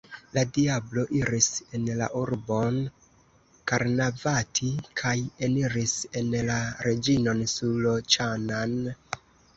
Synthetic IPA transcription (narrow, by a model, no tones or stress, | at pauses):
ladiablo̞ʔiɾise̞nla̰ʔuɾbo̞n | kaɾnavatʰikʰajeniɾise̞nlaɾe̞d͡ʒino̞nsulot͡ʃanan